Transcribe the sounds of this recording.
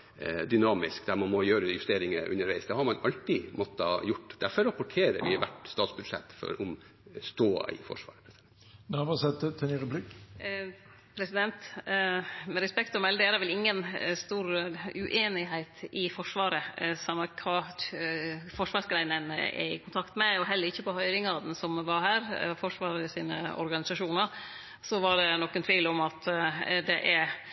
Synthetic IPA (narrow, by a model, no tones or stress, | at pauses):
d̪ʏnɑːmɪskd̪æɾmɑnmɔjøːɾəjʉst̪eːɾɪŋəʔʉ̰nːəɾʋæɪsd̪ɛhɑɾmɑnɑlt̪ɪmoːt̪ːɑjʊʈːd̪æɾfɔɾɑpʊʈʰeːɾə̰ɾʋɪʋæ̰ʈst̪ɑːt̪sbʉd̪ʂɛ̰t̪ːfɔ̰ɾʊm | st̪o̰ːɪ̰fɔ̰ʂʋɑ̰ːɾəpʰɾɛsd̪ɛnɑʋɑsɛt̪ːət̪ʰɛniɾəblɪk | pʰɾɛsɪd̪ɛnt̪ | mɛɾɛspɛkt̪ɔmɛld̪eːɾəʋɛlɪŋːənst̪uːɾʉʔeːnɪɦæɪt̪ɪfɔʂʋɑːɾəsɑmːɑkʰɑː | fɔʂʋɑːɾʂɡɾæɪnənɛ̰ɪ̰kʰʊnt̪ʰɑkt̪mɛɔɦɛlːəɾɪçːəpɔhœʏɾɪŋɑd̪ɛnsɔmʋɑɾɦæːɾfɔʂʋɑːɾəɪsiːnə̰ɔ̰ɾɡɑnɪsɑʂuːnəɾ | sɔʋɑɖɛnɔkːənt̪ʰʋiːlɔmɑt̪d̪ɛʔæɾ